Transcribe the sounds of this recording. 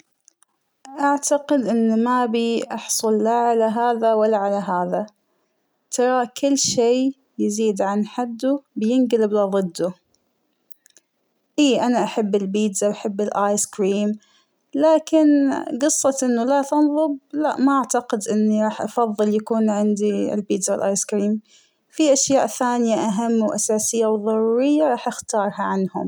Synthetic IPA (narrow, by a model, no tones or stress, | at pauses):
ʔaʕt̪aqɪd̪ʔɪnːmabiʔɑħsˤʊlːaʕalaɦaːðawalːaʕalaɦaːða | t̪ʰɑɾˤɑkɪlːʃeː | jɪziːd̪ʕanħad̪ːubjɪnɡlɪblaðˤɨd̪ːu | ʔiːʔanaʔaħabːɪlbiːd̪zawʔaħabːɪlʔaːjskɾiːm | laːkɪnɡɨsˤːɑt̪ʔɪnːulat̪ɑnðˤɨb̚laʔmaʔaʕt̪aqɪd̪ʔɪnːiɾˤɑːħʔɑfɑðˤːɨljakuːnʕɪnd̪iɪ̰lbiːd̪zawɪlʔaːjskɾiːm | fiʔaʃjaːʔθaːnɪjaʔaɦamːwʔasaːsɪjːawðˤɑɾˤuːɾɪjːaɾˤɑːħʔɪxt̪ɑːɾˤhɑʕanhʊ̰m